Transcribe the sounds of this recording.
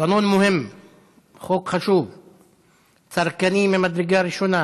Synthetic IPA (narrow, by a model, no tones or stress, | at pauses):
anonmoɦem | χokχaʃuv | t͡saɾkanimemad̪ɾeɡaɾiʃona